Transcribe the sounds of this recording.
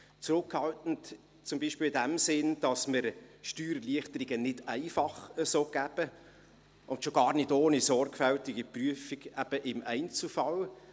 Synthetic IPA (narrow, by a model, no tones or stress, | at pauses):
t͡sɾʊkhɑltn̩t | t͡sʊmbiːʃpɪːlɪdæmsɪnd̥ɑsməɾʃtyːɾliəχtəɾiɡənɪdæɪfɑχəsoːɡ̥æb̥ə | ʊntʃoɡɑːɾnɪdoːnisɔrɡfɛltɪɡipryəfiɡæb̥əʔɪmæɪnt͡sl̩fɑl